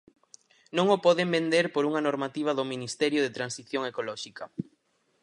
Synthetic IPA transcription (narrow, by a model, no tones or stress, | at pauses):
nõŋopɔðembend̪eɾpoɾuŋɐnoɾmat̪iβ̞ɐðʊminist̪ɛɾjʊðet̪ɾansiθjoŋekolɔʃikɐ